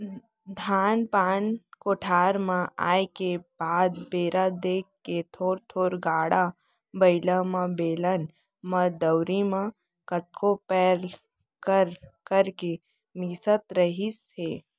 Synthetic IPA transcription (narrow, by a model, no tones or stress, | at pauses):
d̪ʱaːnpaːnkoːʈʰaːɾmãa̰ːjkebaːd̪beːɾad̪eːkːet̪ʰoːɾt̪ʰoːɾɡaːɽa | bəɪlamãbeːlən | mãd̪əwɾimã | kət̪̚kopɛːɾ | kəɾkəɾke | miːsət̪ɾəɦis | eː